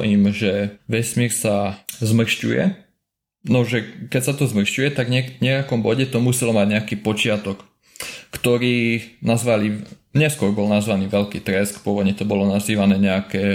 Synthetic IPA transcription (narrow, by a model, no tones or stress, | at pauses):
imʒɛʋɛsmiːɾsazmr̩ʃcṵjɛ̰ | nɔʒɛkɛcsat̪ɔzmr̩ʃcujɛt̪aɡɲɛɲɛakɔmbɔɟɛt̪ɔmusɛlɔmaɟɲɛakiːpɔt͡ʃɪat̪ɔkː | t̪ɔɾiːnazʋaliɲɛskʊɔɾbɔlnazʋaniːʋɛʎkiːt̪ɾɛskpʊɔʋɔd̪ɲɛt̪ɔbɔlɔnaziːʋanɛːɲɛakɛː